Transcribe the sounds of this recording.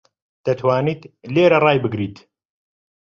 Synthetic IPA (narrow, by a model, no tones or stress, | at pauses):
d̪̥ɐt̪ʰwaːniːt̪leːɾɐrɑːjbɨɡɾiːt̪